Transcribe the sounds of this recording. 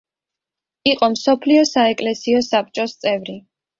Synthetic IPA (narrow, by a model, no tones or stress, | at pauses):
iqʼɔmsɔpʰliɔsaɛkʼlɛsiɔsap̚t͡ʃʼɔst̪sʼɛvɾi